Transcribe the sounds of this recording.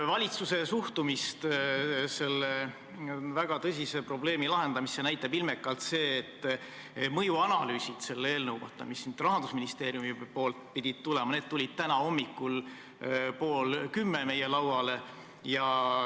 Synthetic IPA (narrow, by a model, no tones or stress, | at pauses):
vɑlʲit̪suse̞suht̪umist̪se̞lːe | væɡ̥ɑt̪ɤsʲise̞pro̞ble̞ːmilɑɦe̞nd̪ɑmisːenæjt̪ːˑɑbilmekːˑɑlt̪se̞ːt̪ːˑ | mɤjuɑnɑlyːsʲit̪se̞lːeeːlnɤwvɑ̰t̪ːˑɑ̰misːint̪rɑɦɑnd̪usminist̪e̞ːɾijumipo̞ːlt̪̚pid̪̥ʲid̪̥̚t̪ulemɑne̞ːd̪̚t̪ulʲid̪̥̚t̪ænɑo̞mːikːˑul | po̞ːlkymːeme̞jelɑwɑle̞ | jɑ